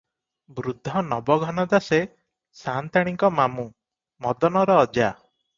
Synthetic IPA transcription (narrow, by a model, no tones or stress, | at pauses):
bɾud̪ʱːɔnɔbɔɡʱɔnɔd̪ase | sant̪aɽ̃iŋkɔmamu | mɔd̪ɔnɔɾɔːd͡ʒa